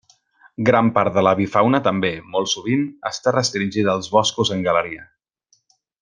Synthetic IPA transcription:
ɡɾampaɾt̪̚ðələβifawnət̪əmbemɔlˠsuβ̞inə̰st̪arəst̪ɾinʲʒiðəːlˠzβɔskuzəŋɡələɾiə

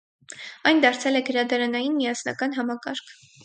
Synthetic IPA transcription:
ɑjnd̪ɑɾt͡sʰɛlɛɡəɾɑd̪ɑɾɑnɑjinmijɑsnɑ̰kɑn̪ɦɑmɑkɑɾkʰ

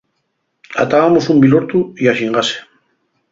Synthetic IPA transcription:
a̰t̪aɣamosumbiloɾt̪uiaʃiŋɡase̥

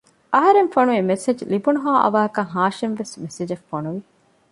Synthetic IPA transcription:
ʔɐɦɐɾenfɐnuemesed͡ʒlibunuɦaːʔɐ̰ʋaːɐkɐɦaːʃenʋesmesed͡ʒefːonuʋi

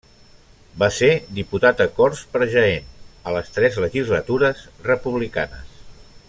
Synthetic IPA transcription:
based̪iput̪at̪əkɔɾspəɾʒəenələst̪ɾɛzləʒizlət̪uɾəzrəpuβlika̰nə̰s

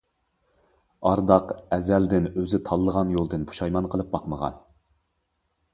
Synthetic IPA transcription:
ɑɾd̪ɑqɛzæld̪ɪnøzɪt̪ʰɑlˠːəʁɑnjolˠd̪ɨnbu̥ʃɑjmɑnqʰəlˠɨp̚bɑqməʁɑ̰n

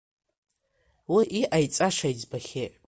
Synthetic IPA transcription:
wiʔiʔajt͡sʼaʂajzbaχʲeʔʼ

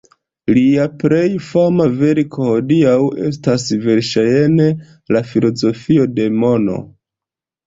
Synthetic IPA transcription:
liapɾe̞jfamave̞ɾikʰo̞ho̞diawe̞̰s̬tasve̞ɾʃajene | lafilo̞zo̞fio̞de̞mo̞no̞̰

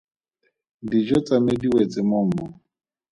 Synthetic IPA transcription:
did͡ʒɔt͡sʼamɪdiwet͡sʼɪmʊm̩mɔ

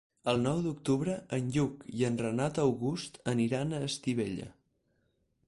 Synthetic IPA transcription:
əlˠnɔwd̪uk̚t̪uβɾəənʎukiənrənat̪əwɣust̪əniɾanəːst̪iβeʎə̰

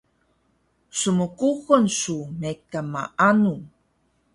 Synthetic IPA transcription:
suməkuxənsumekama̰ʔanu

